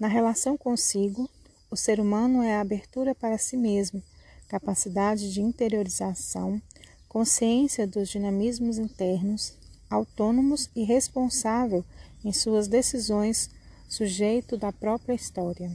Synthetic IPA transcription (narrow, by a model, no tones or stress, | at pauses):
nɐɦelasɐ̃w̃kõsiɡʊ | ʊseɾumɐ̃nʊɛɐabeɾt̪uɾɐpaɾɐsimezmʊkapasid̪ad͡ʒɪd͡ʒɪĩnt̪eɾioɾizasɐ̃w̃ | kõsiẽsiɐd̪ʊzd͡ʒinɐ̃mizmʊzĩnt̪ɛɾnʊsawt̪õnõmʊzɪɦespõsavewẽj̃suɐzd̪esizõj̃sː | uʒejt̪ʊd̪ɐpɾɔpɾiɐist̪ɔɾiɐ